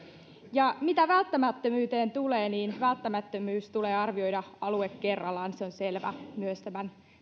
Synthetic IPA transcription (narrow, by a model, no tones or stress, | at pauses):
jɑmit̪æʋælt̪ːæmæt̪ːømyːt̪e̞ːnt̪ule̞ːniːnʋælt̪ːæmæt̪ːømyːst̪ule̞ːɑrʋio̞jdɑɑluekːe̞rːɑlːɑːnseo̞nse̞lʋæ̰myøst̪æmæn